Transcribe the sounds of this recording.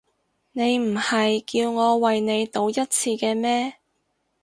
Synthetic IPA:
ne˨˧jm̩˨˩hɐ˨jkiː˧wŋɔː˨˧wɐ˨jne˨˧jt̪o˨˧wjɐ˥t̚t͡sʰiː˧kɛː˧mɛː˥

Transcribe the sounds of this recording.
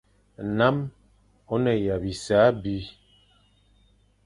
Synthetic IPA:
na˦m | o˦nɛ˨ja˨bi˨saː˨˦bi˦

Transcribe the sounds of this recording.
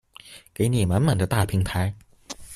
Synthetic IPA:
ke˧˥ɪni˨˩ma˧˥nma˨˩ŋd̪ə˦t̪a˥˩pʰi˧˥ŋp̪ʰa˧˥ɪ

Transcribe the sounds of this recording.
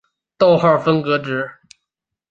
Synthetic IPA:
t̪o˥˧ʊxa˥˩fə˥ŋkɤ˧˥ʈ͡ʂɻ̩˧˥

